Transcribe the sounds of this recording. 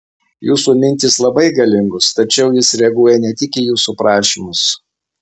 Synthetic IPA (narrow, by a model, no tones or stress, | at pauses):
juːsuːmʲɪnʲt̪ʲɪslˠɐbɐɪɡɐlʲɪŋɡʊst̪ɐt͡ʃʲɛʊjɪsɾʲɛɐɡuɔjɛnʲɛt̪ʲɪkʲɪjuːsupɾɑːʃʲiːmʊs